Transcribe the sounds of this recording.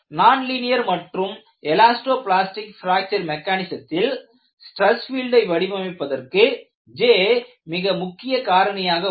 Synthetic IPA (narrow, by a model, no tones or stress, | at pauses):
naːnlɪnɪjɐɾmɐʈrɯm | ɛlaːsʈoːplaːsʈɪkfɪɾaːk̚t͡ʃɐɾmɛkːaːnɪsɐt̪ːɪl | sʈɾɐsfiːlɖɐɪʋɐɽɪʋɐmɪpːɐðɐrkɯ | d͡ʒeː | mɪɣɐmʊkːɪjɐkaːɾɐnɐjaːɣɐ